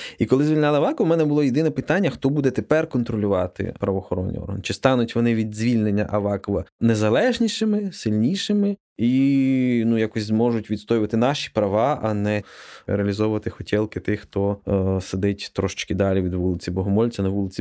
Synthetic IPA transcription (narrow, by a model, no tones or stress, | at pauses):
ikɔlˠɪzʲʋʲilʲnʲalˠɪɐʋɑkɔʋɐmɛnɛbʊlˠɔjed̪ɪnɛpɪt̪ɑnʲːɐxt̪ɔbud̪ɛt̪epɛrkɔnt̪ɾɔlʲʊʋɑt̪ɪ̰pɾɐʋɔxɔɾɔ̰nʲːḭɔ̰rɦɐnt͡ʃɪst̪ɑnʊtʲʋɔnɪʋʲid̪zʲʋʲilʲnenʲːɐʔɐʋɑkɔʋɐnezɐlˠɛʒnʲiʃɪmɪsɪlʲnʲiʃɪmɪ | i | nujɑkɔsʲzmɔʒʊtʲʋʲid̪st̪ɔjɪʋɐt̪ɪnɑʃi̥pɾɐʋɑʔɐnɛɾeɐlʲizɔʋʊʋɐt̪ɪxɔtʲɛlˠkɪt̪ɪxxt̪ɔsed̪ɪtʲt̪ɾɔʃɪ̥t͡ʃkɪd̪ɑlʲiʋʲid̪ʋulˠɪt͡sʲibɔɦɔmɔlʲt͡sʲɐnɐʋulˠɪt͡sʲi